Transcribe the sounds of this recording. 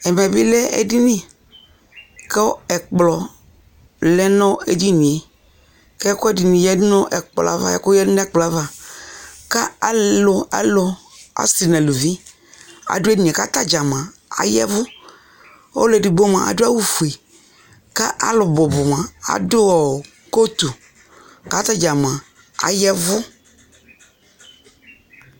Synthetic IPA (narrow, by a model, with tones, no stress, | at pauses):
ɛ˨mɛ˨bi˦lɛ˦ɛ̰˦di˦nĩ˦ | kɛ˦wo˦ɛ˨k͡plɔ˨ | lɛ˦nɔ̃˦e˦d͡ʒi˦nĩ˨e˨ | kɛ˦kɔ˦ɛ˦di˨nĩ˨jɛ˦dnɔ̃˦ʔɛ˨k͡plɔ̰˨a̰˦va̰˦jɛ̰˨˦ko˦jɛ˦dɪ˦nɔ̃˦ɛ˦˨k͡plɔ˨a˦va˦ | ka˦a˦lʊ˨a̰˦lɔ˨ | a̰˦si˨nɛ̃˨lu˨vi˦ | a̰˨dʊ˦ɛ˦˨ɲɛ̃˨ka˦t̪a˦d͡ʒa˨mã˨ | a̰˨jɛ̰˦vʊ˦ | o̰˦lɛ˨di˨bo˦mã̰˨ʔa̰˨dʊ˦a˦wu˨fu˨e˨ | ka˦ʔa̰˦lʊ˨bʊ˨bʊ˨mã˨a̰˨dʊ˦wɔ˨ | ko˦t̪u˨ | ka˦t̪a˦d͡ʒa˨m˨ã˨ | a̰˨jɛ˦vʊ˦